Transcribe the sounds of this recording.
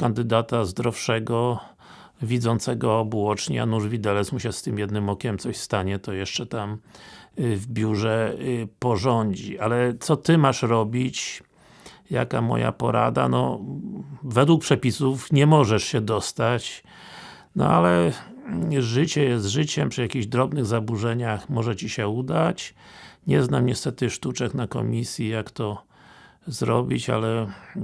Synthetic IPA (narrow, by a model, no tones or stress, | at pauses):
kand̪ɘd̪at̪azd̪ɾɔfʂɛɡɔ | vʲid̪zɔnt̪sɛɡɔːbwɔt͡ʂɲɛ̰a̰nuʐvʲid̪ɛlɛsmuɕɛst̪ɘmjɛd̪nɘmɔkʲɛmt̪sɔɕst̪aɲɛt̪ɔjɛʂt͡ʂɛt̪am | vbʲjuʐɛpɔʐɔɲd͡ʑḭalɛt̪sɔt̪ɘmaʂɾɔbʲit͡ɕ | ja̰ka̰mɔ̰ja̰pɔ̰ɾa̰d̪a̰nɔ | vɛd̪wuk̚pʂɛpʲisufɲɛmɔʐɛʂɕɛd̪ɔst̪at͡ɕ | nɔ̰alɛ | ʐɘt͡ɕɛjɛst̪ʐɘt͡ɕɛmpʂɨjakʲiʑd̪ɾɔbnɘɣzabuʐɛɲaxmɔʐɛt͡ɕiɕɛud̪at͡ɕɲɛznamɲɛst̪ɛt̪ɘʂt̪ut͡ʂɛknakɔ̰mʲisʲjijakt̪ɔ | zɾɔ̰bʲit͡ɕa̰lɛ